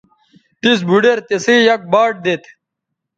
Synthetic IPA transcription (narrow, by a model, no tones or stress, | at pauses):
t̪is̬bʱuɖeɾt̪esiːjɐk̚baːʈ̚d̪et̪ʰ